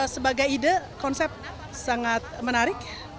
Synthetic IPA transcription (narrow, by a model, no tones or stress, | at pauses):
səbaɡajidəkɔnsɛp̚ | saŋat̪̚mənaɾɪk̚